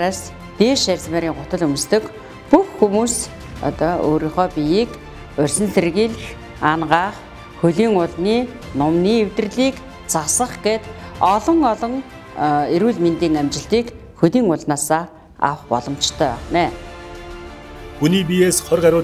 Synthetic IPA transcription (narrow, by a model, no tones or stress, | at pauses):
ɾaːs | t̪eːʃærʲt͡smeːɾiːŋɢʊt̪ə̆ɮɵm̆st̪ɵ̆k | puxːumuːs | ɔ̰t̪ɔːo̰ːɾiːɴχœːpʲijiːk | ʊrʲsɘ̆nserɣiːɮx | anɢaːχ | xɵɮiːŋʊɮniː | nʊmniːewt̪ɘ̆rɮiːk | t͡sʰasə̆χɡeːt̪ɔɮɞ̆ŋɔɮɞ̆ŋ | eɾuːɮmint̪iːŋæmt͡ɕɪ̆ɬt̪iːk | xɵt̪iːŋʊɮnaːsaː | a̰wχpɔ̰ɮɞ̆mt͡ɕt̪ʰœːæ̰χnæː | xuniːpijeːsχœrɢæɾʲʊː